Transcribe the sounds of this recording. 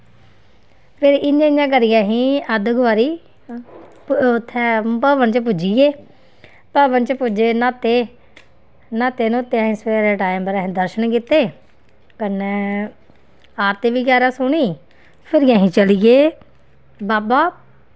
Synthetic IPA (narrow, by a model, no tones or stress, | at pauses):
pʰɪɾɪnjãːɪjãːkəɾɪjãːɦĩːəd̪ɡʊʋaːɾiː | ʊt̪ʰːɛːpəʋənt͡ʃp̬ʊd͡ʒiːɡeː | pəʋənt͡ʃpʊd͡ʒeːnaːt̪eː | naːt̪eːnːt̪ːeãːɦĩːseːɾeːʈaːɪmbəɾãːɦĩːd̪əɾʃənkɪt̪ːeː | kənɛː | aːɾt̪eːʋiːkɛːɾãːsʊɽiː | pʰɪɾɪjãːɦĩːt͡ʃəliːɡeː | baːbaː